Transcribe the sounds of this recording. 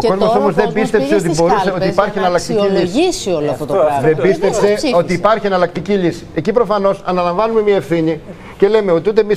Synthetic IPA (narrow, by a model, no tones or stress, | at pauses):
oko̞zmosomo̞zðebist̪e̞pseot̪ibo̞ɾuseo̞t̪ipɐɾçienɐlɐk̚t̪iciʎsʝisioloɐft̪ot̪oðebist̪epseo̞t̪iːpɐɾçie̞nɐlɐkt̪icilisi̥ecipɾo̞fɐno̞sɐnɐlɐɱvɐnume̞miɐefθiɲi | ce̞le̞meo̞t̪iut̪emis